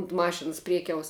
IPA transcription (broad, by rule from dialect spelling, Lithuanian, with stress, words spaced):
ʊnt ˈmɑːʃʲɪns ˈpʲrʲiɛkʲɛʊs